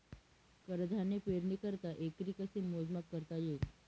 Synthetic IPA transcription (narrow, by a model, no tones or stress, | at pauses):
kəɾd̪ʱanepeɾnikəɾt̪aʔekɾikəsemozmakːəɾt̪aje